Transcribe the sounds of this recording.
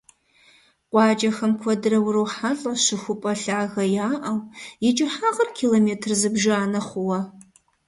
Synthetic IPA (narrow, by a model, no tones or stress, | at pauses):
qʷʼɑːd͡ʒʼɐxɐmkʷʰɔdɨɾɐwʊɾɐwħaɬʼɐɕɨxʷʊpʼɐɬaːɣɐjaːʔɐwjɪt͡ʃʼɪħaːʁɐrkʰiːloːmeːtʰrzɨbʒɪaːnɐχʷʊwɐ